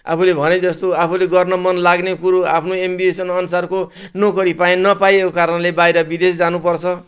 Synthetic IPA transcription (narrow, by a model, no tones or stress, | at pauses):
a̰pʰulebʱʌned͡zʌst̪oapʰuleɡʌrnʌmʌnlaɡnekuɾoa̰pʰnoembiesʌnʌnusarko | nokʌɾipaẽnʌpajekokaɾʌnlebajɾʌbid̪esd͡zanũpʌrt͡sʰʌ